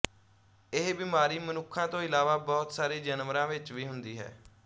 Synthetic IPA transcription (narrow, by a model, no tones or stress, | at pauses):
ɪɦbɪːmaːɾiːmənʊkʰːãːt̪õːɪlaːʋaːbɔːt̪saːɾiːd͡ʒənmɾãːʋɪt͡ʃʋiːɦʊnd̪iːɦɛ̰ː